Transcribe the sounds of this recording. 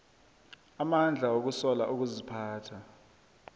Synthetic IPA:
amand͡ɮʱaok̬usɔlaʔuk̬uzipʰaːtʰa

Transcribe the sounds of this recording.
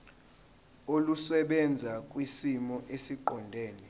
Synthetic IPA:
olusɛɓɛnd͡zʱakʼwisimɔʔesiǃɔndʱeːni

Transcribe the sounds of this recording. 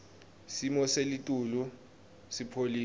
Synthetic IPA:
simɔselitʼulu | sipʰoliː

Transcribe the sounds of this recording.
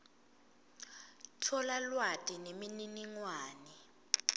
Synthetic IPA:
tʰɔlalwatʼinemininiŋwaːnɛ

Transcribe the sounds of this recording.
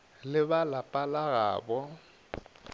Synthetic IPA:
lɪbalapʼalaɣa̰ːbɔ

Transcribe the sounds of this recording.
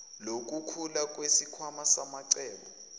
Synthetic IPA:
lok̬ʼukʰulak̬ʼwesikʰwamasamaǀɛːɓɔ

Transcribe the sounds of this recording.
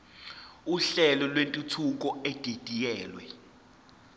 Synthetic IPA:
uɬɛlɔlwentʼutʰuk̬ɔɛd̥ʱed̥ʱʼijɛːlwɛ

